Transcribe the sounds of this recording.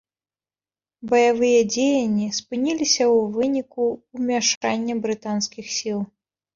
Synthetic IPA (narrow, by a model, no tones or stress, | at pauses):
bɐjavɨjɐd͡zʲejɐnʲːispɨnʲilʲisʲɐwvɨnʲikuwmʲaʂanʲːɐbɾɨt̪anskʲixsʲilˠ